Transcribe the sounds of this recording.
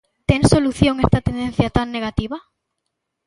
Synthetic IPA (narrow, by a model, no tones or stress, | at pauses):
t̪eŋsoluθjoŋest̪at̪end̪en̟θjat̪aŋneɣ̞at̪iβɐ